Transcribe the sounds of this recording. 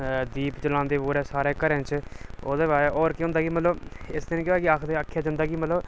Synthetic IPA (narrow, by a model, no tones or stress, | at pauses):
d̪iːpt͡ʃəlãːnd̪eːboːɾɛːsaːɾeːkəɾɛ̃ːt͡ʃo̰ːd̪eːʋaːʔɔːɾkɪɦõnd̪aːɡiːmət̪ləbɪsd̪ɪnẽːkjoːɛːkɪaːkʰd̪eakʰːjaːd͡ʒãnd̪aːɡiːmət̪ləb